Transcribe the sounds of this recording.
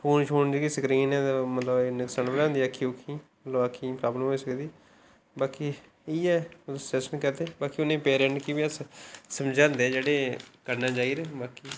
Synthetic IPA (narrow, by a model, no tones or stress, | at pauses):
pʰuːnt͡ʃʰoːnd͡ʒekiːsəkɾiːnɛ̃ːt̪ːmət̪ləbeːnɪksəɳbəɾãːnd̪iːəkʰːiokʰĩː | loːəkʰĩːpɾaːbləmɦoːiːsəkd̪iː | baːki | iːɛːsɛsənkəɾd̪eːbaːkiːʊnẽːpeːɾə̃ɳʈkibiəssəmd͡ʒãːnd̪eːd͡ʒeːɽeːkəɾnãːd͡ʒaːiːɾeːbaːkiː